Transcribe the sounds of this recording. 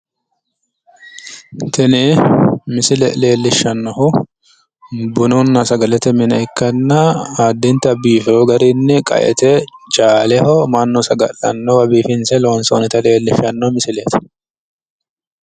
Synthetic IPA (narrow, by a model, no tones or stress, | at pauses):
t̪ɛnɛmɪsɪlɛ̰le̞ːlːɪʃːɐnːɔhʊ | bʊnʊnːɐsɐɡɐlɛt̪ɛmɪnɐɪkːɐnːɐaːd̪ːɪnt̪ɐbiːfɛhɔɡɐɾɪnːɛkʼɐ̰ʔɛ̰t̪ɛt͡ʃʼaːlɛhɔmɐnːɔsɐɡɐ̰lːɐ̰nːɔwɐbiːfɪnsɛloːnsoːnɛt̪ɐle̞ːlːɪʃːɐnːɔmɪsɪlɛːt̪ɐ̥